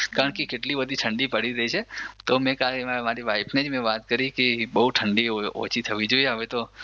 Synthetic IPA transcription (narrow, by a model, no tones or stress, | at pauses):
kaɾəɳkekeʈlibəd̪ʱiʈʰəɳɖipəɽiɾəit͡ʃʰet̪omɛ̃kalemaɾiʋajpned͡ʒmɛ̃ʋat̪kəɾikebəɦuʈʰəɳɖio̰t͡ʃʰit̪ʰəʋid͡ʒoieɦəʋet̪o